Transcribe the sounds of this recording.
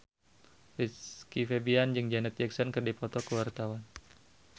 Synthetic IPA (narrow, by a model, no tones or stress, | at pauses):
fikifɛbiand͡ʒɨŋd͡ʒanɛt̪̚d͡ʒɛksɔnkɨrdipɔt̪ɔkəwart̪awan